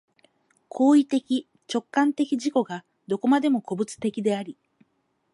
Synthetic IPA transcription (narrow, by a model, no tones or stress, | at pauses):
kʰo̞ːit̪e̞kʲi | t͡ɕo̞kːãnt̪e̞kʲiʑiko̞ɡa | d̪o̞ko̞mad̪e̞mo̞ko̞bɯ̟t͡sɨ̥t̪e̞kʲid̪e̞aɾʲi